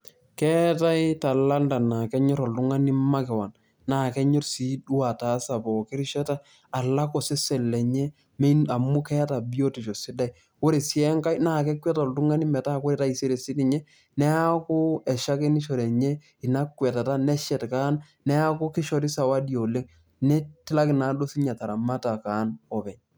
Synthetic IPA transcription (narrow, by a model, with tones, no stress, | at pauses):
kɛ˦ta˦i˦ta˨la˦nda˨na˨kɛ˦ɲɔ˦ɾɔ˨ltʊ˦ŋa˦ni˦ma˦kɛ˨wa˨n | na˨kɛ˦ɲɔ˦rsi˦du˦a˨ta˨˦sa˨pɔ˨kɪ˦ɾɪ˦ʃɛ˦ta˦ | a˨la˦kɔ˨sɪ˦sɛ˨lːɛ˨ɲɛ˦ | m˦a˨mʊ˦kɛ˦ta˨bi˦o˦ti˨ʃɔ˨sɪ˦da˦j | o˦ɾe˨si˦ɛ˦ŋka˦jna˦˨kɛ˦kwɛ˦ta˨ltʊ˦ŋa˦nɪ˦mɛ˨ta˦ko˦ɾe˨ta˦i˨se˦ɾe˨sɪ˦tɪ˨ɲɛ˦ | nɛ˦a˦kʊ˦ɛ˨ʃa˦ke˦ni˦ʃo˨ɾɛ˨ɲɛ˦ | ɪ˨na˦kwɛ˨ta˨ta˦nɛ˦ʃɛ˨tka˦n | nɛ˦a˦kʊ˦kɪ˦ʃɔ˨tɪ˦sa˨wa˦djo˨le˦ŋ | nɛ˦tɪ˦la˦kɪ˨na˨˦do˦si˦ɲa˨ta˨ɾa˨ma˦ta˨ka˨˦nɔ˨bɛ˨ɲ